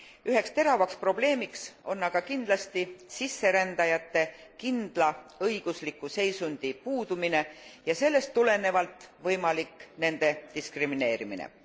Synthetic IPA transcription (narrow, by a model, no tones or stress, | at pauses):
yɦe̞kst̪e̞ɾɑvɑkspro̞ble̞ːmikso̞nːɑɡ̥ɑkind̪lɑst̪isisːe̞ɾænd̪̥ɑjɑt̪ːˑe̞kind̪̥lɑɤjɡ̥uslikːˑuse̞jsund̪̥ipuːd̪̥umine̞jɑse̞lːe̞st̪ːule̞ne̞vɑlt̪ːˑvɤjmɑlikːne̞nd̪̥e̞t̪iskrimine̞ːɾiminḛ